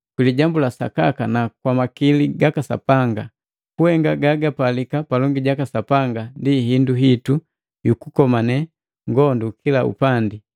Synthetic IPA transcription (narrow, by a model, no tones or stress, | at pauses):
kwiliɟambulasa̰kakanakwamakiliɡakasa̰paŋɡa | kuhɛŋɡaɡaɡapalikapalɔŋɡiɟakasapaŋɡandiɦinduɦitu | jukukɔmanɛ | ŋɡɔndukʰilaṵpandi